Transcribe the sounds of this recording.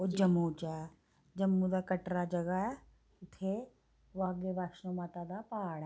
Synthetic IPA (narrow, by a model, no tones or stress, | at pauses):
od͡ʒəmːut͡ʃa | d͡ʒəmːud̪akəʈɾad͡ʒəɡaɛ | ʊt̪ʰe | ʋaːɡebaːkʃnomat̪ad̪apaːɽ